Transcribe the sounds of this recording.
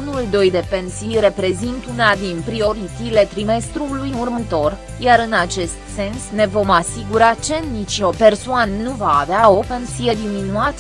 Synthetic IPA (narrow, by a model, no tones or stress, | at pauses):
unuld̪o̞jd̪e̞pe̞nsijre̞pɾe̞zint̪unad̪inpɾio̞ɾit̪t̪ile̞t̪ɾime̞st̪ɾulujurmət̪o̞r | jaɾɨnat͡ʃe̞st̪se̞nsne̞vo̞masiɡuɾat͡ʃe̞nit͡ʃo̞pe̞rsoannuva̰ːveao̞pe̞nsije̞d̪iminuat̪